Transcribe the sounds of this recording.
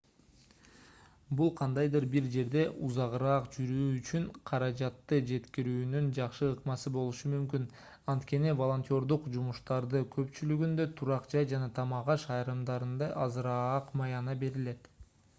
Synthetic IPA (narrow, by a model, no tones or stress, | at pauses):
bulˠqʰɑnd̪ɑjd̪ɯɾbiɾd͡ʒe̞ɾd̪e̞ʔuzɑʁɾɑːqd͡ʒyɾyːyt͡ʃyɴqʰɑɾɑd͡ʒɑt̪ːɯd͡ʒe̞t̪kiɾyːnynd͡ʒɑqʃɯɯqmɑsɯbo̞lˠuʃumymkyn | ɑnt̪ke̞nivo̞lˠo̞nʲt̪ʲjo̞ɾd̪uqd͡ʒumuʃt̪ɑɾd̪ɯkʰø̞pt͡ʃylyɡynd̪ø̞t̪ʰuɾɑqd͡ʒɑjd͡ʒɑnɑt̪ʰɑmɑʁɑʃɑjɾɯmd̪ɑɾɯnd̪ɑʔɑzɯɾɑqmɑjɑnɑbe̞ɾile̞t̪